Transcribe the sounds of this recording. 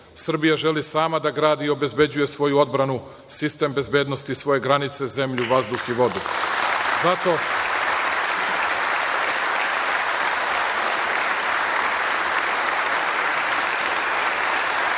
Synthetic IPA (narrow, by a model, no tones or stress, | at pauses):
sr̩bijaʒe̞lisaːmad̪aɡɾaːd̪io̞be̞zbe̞d͡ʑuje̞sʋo̞juo̞d̪bɾanu | sist̪e̞mbe̞zbe̞ːd̪no̞st̪isʋo̞je̞ɡɾanit̪se̞ze̞mʎuʋazd̪uxiʋo̞d̪u | zat̪o̞